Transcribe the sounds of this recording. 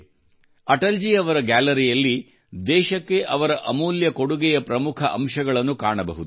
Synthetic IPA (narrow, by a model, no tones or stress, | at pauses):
ɐʈɐld͡ʒiɐʋɐɾɐɡæːlɐɾijɐlːi | d̪ɛːʃɐkːe̞ʔɐʋɐɾɐʔɐmuːljɐko̞ɽuɡɛjɐpɾɐmukʰɐʔɐmʃɐɡɐɭɐnːukaːɳɐbɐ̰ɦud̪u